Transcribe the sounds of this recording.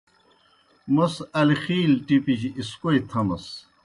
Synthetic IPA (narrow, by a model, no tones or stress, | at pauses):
mɐsɐlixiːlʈipiɕiiskoit̪ʰɐmɐs